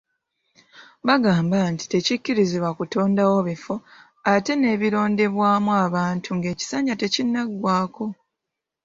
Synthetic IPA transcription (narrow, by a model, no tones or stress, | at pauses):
βaɡaːmbanti̥te̞cicːiɾiziβwakuto̞ːndawo̞βifo̞ | ate̞ne̞ːβiɾo̞ːnde̞βwaːmwaːβaːntʰuŋɡe̞ːci̥saːɲɟate̞cinːaɡwaːko̞